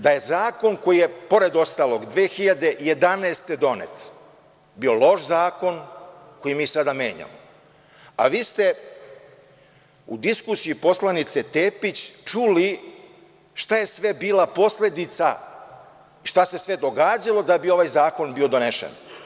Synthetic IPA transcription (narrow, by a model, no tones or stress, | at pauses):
d̪aje̞zaːko̞nko̞jijepo̞ɾe̞d̪o̞st̪aːlˠo̞ɡd̪ʋeːxiʎad̪e̞ʔje̞d̪aneːst̪e̞d̪o̞nḛt̪ | bio̞lˠo̞ʃzaːko̞n | ko̞jimiːsad̪ame̞̰ːɲa̰mo | a̰ʋiːst̪e̞ | ud̪iskusijipo̞slˠanit̪set̪eːpit͡ɕt͡ʃuli | ʃt̪aje̞sʋe̞biːlˠapo̞sle̞d̪it̪sa | ʃt̪ase̞sʋe̞d̪o̞ɡaːd͡ʑalo̞d̪abio̞ʋajzaːko̞nbio̞d̪o̞neʃḛn